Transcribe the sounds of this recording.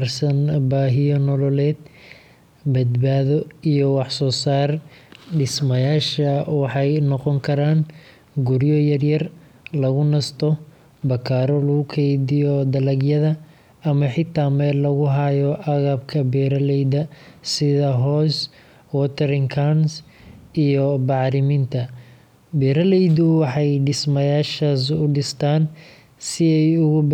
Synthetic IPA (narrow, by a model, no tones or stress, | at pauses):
rsɐnbaːɦɪjɔnɔlɔlɛːd̪ | bɐd̪baːðɔijɔwɑħsɔːsaːrɖɪsmɐjaːʃɐwɑħɑjnɔqɔŋkʰɐɾaːn | ɡʊɾjɔjɐrjɐr | lɐɣʊnɐst̪ʰɔ | bɐkʰaːɾɔlɐɣʊkʰɛjdɪjɔd̪ɐlɐɡjɐðɐ | ɐmɐħɪt̪ʰːaːmɛːllɐɣʊɦɐjɔʔɑɣɐb̚kʰɐbɛːɾɐlɛjðɐsɪðɐɦɔːs | wɔt̪ʰɛɾɪŋkʰans | ijɔbɑʕɾɪmɪnt̪ʰɐ | bɛːɾɐlɛjd̪ʊwɑħɑjɖɪsmɐjaːʃaːs̬ʊɖɪst̪ʰaːn | sɪɛjʊɣʊ